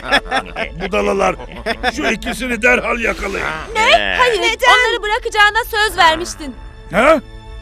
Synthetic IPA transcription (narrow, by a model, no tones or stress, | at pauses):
bud̪alˠalˠaɾ | ʃølʲecʰisinɛd̪æɾɦalʲjakʰalˠa̰jjɯ̰nehajɯɾo̞nlˠaɾɯbɯɾakɯd͡ʒaːnasø̞zvæɾmiʃt̪ʰin | hɛ